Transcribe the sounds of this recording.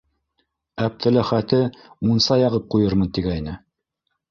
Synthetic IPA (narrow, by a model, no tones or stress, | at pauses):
æp̚t̪ʰɘ̆læχæt̪ɘmunsɑjɑʁɤp̚qujɤɾmɤnt̪iɡæinɘ